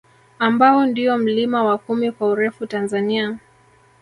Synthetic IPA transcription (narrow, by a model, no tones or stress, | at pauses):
ambaɔndiɔm̩limawakumikwauɾɛfutanzania